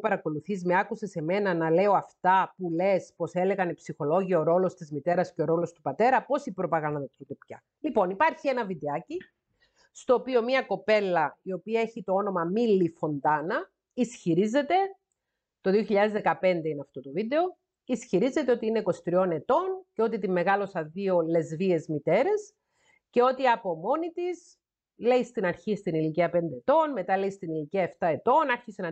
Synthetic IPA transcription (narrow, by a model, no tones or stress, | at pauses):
pɐɾɐko̞luθizme̞ɐkuse̞se̞me̞nɐnɐle̞o̞ɐft̪ɐpule̞spose̞le̞ɣɐnipsixo̞lo̞ʝiooɾo̞lost̪izmit̪e̞ɾɐsceo̞ɾo̞lo̞st̪upɐt̪e̞ɾɐpo̞sipɾo̞pɐɣɐnðɐt̪ut̪opçɐ | lipo̞nipɐɾçie̞nɐviðeɐci | st̪oːpio̞miɐko̞pe̞lːɐio̞piɐeçit̪o̞o̞no̞mɐmilːifo̞nd̪ɐnɐ | isçiɾize̞t̪e̞ | t̪o̞ðio̞çiʎɐðe̞zðe̞kɐpe̞nd̪e̞ineɐft̪o̞t̪o̞viðe̞o̞ | isçiɾize̞t̪e̞o̞t̪iineko̞st̪ɾio̞ne̞t̪o̞nceo̞t̪it̪imːe̞ɣɐlo̞sɐðio̞le̞zvie̞zmit̪e̞ɾe̞s | ce̞o̞t̪iɐpo̞mo̞nit̪is | le̞ist̪inɐɾçist̪iniliciɐpend̪eet̪o̞nme̞t̪ɐleist̪iniliciɐeft̪ɐe̞t̪o̞nɐɾçisenɐ